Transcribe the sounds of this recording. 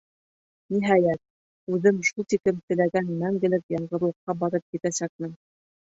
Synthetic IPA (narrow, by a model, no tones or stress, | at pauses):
niɦɑjæt̪̚ | ʉðɘmʃulˠt̪ikɘmt̪ɘ̆læɡænmæŋɡɘ̆lɘkjɑɴɢɤ̆ɾlˠɤ̆qːɑbɑɾɤp̚kit̪æsæk̚mɘn